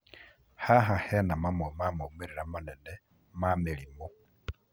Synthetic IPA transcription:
haɦahɛnamamɔmamomeɾiɾamanɛnɛ | mamelimɔ

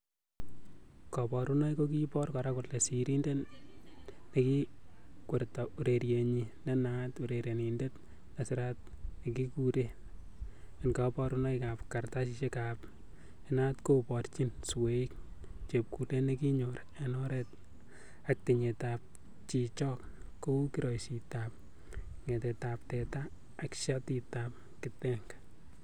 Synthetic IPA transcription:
kɔpɔɾunɔjkokipɔrkɔɾakʊtlesiɾinden | nekikwertɔuɾeɾjeɲinenatuɾeɾenindet | nasɪɾat̚ | nekikuɾe | ɛnkapɔɾunɔjkapkartaʃ̬iʃekap | enatkopɔrt͡ʃinsweik̚t͡ʃep̚kutenekiɲoɾaenɔɾɛt̚ | ak̚tiɲetap̚ | t͡ʃit͡ʃɔk | kokiɾɔjsitap̚ | ŋetetap̚tɛtaː | kʃatitap̚ | kɪtɛŋɡ

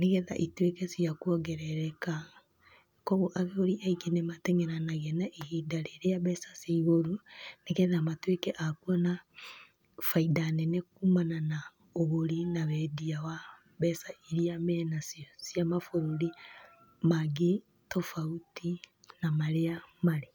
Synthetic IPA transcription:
neɣɛða̰ʔitwekɛsiakuɔɡɛɾɛɾɛka | kɔɣoʔaɣeoɾiʔaiɡenematɛŋɛɾanaɣɛnaʔehidaɾeɾeaβɛsasiiɣoɾuneɣɛðamatwekɛʔakwɔna | faidanɛnekumanana | oɣoɾinaβɛdiawa | βɛsaiɾiamɛnasiɔsjamafoɾoɾi | maɡi | tɔfauti | namaɾeamaɾe

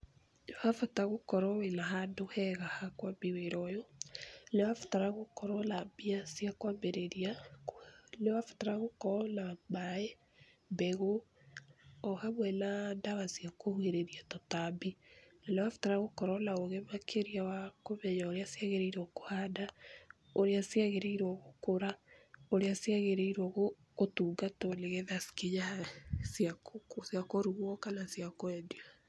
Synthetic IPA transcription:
lewafataɣokɔɾɔwenaɦandohɛɣahakwambiweɾɔjɔlewafḁtaɾaɣokɔɾɔlabiasjakwambeɾeɾia | lewafḁtaɾaɣokɔlabaɛ | bɛɣo | ɔhamwɛnandaɣasijakohueɾeɾiatɔtabinalawafu̥taɾaɣokɔɾɔlaoɣɛmakʰeɾiawakoβɛɲaoɾeasiaɣeɾeiɾɔkohada | oɾeasjaɣeɾeiɾwɔɣokoɾaoɾeasiaɣeɾeiɾwɔɣo | otuɡatɔneɣɛðaskeɲasiakokosiakoɾuɣɔkanasiakoɛdia

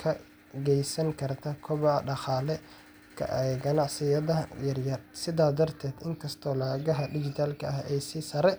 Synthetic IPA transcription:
kʰɐ | ɡɛjsɐŋkʰɐrt̪ʰɐkʰɔβɐɖɑχɑːlɛ | kʰɐ̰ʔɛjɡɐnɑʕsɪjɐðɐjɐrjɐrsɪðaːd̪ɐrt̪ʰɛːd̪ɪŋkʰɐst̪ʰɔːlaːɣɐɦɐɖɪd͡ʒɪt̪ʰaːlkʰɐɐhɛjsɪsɐɾɛ

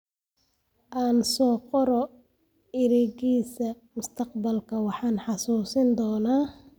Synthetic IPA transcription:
ʔaːnsɔːqɔɾɔ | ɪɾɛɣiːsɐ | mʊst̪ʰɑqbɐlkʰɐwɑħɑːnħɑsuːsɪnd̪ɔːnaː

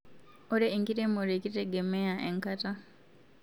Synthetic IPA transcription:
oɾeːŋkitemoɾeciteɡemejaʔeŋkata

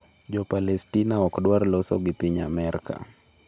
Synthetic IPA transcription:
ʄɔpalɛstinaɔkɗwaɾlɔsɔɡipiɲamɛɾka̰

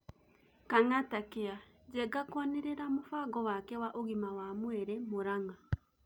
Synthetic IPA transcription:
kaŋatakea | d͡ʒɛɡakwɔneɾeɾamofaːɣɔwakɛwaʔoɣimawaːmwɛɾɛmoɾaŋa

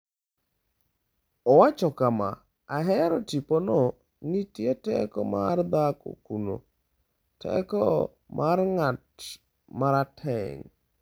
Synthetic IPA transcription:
ɔwat͡ʃɔkama̰ | aɦɛɾɔtiponɔ | nitjetɛ̰kɔmard̪ako̰kuno̰ | tʰɛ̰kɔ | mʔarŋat | maɾatʰɛ̰ŋ

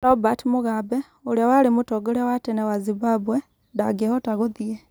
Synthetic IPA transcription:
lobatimuɣabe | ulawalimutoɡolewatenewaziβabwe | ndaɡehotaɣoðie

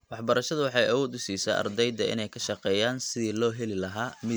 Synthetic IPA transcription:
wɑħbɐɾɐʃɐðʊwɑħɑjʔɐwɔːd̪ʊsiːsɐːʔɐ̰rd̪ɛjd̪ɐɪ̰nɛjkʰɐʃɑqɛːjaːnsɪðiːlɔːɦɛlɪlɐɦaːmɪ

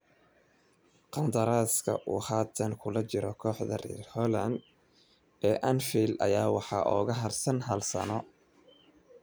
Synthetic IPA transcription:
qɑnd̪ɐɾaːskʰɐ̰ʔuːhaːt̪ʰɐnkʰʊlɐt͡ʃɪɾɔkʰɔːħðɐ̰rḭːrhɔlɐnd̪̚ | ɛːʔɐnfilɐ̰jaːwɑħɑ̰ʔɔːɣɐɦɐrsɐnɦɐlsɐ̰nɔ

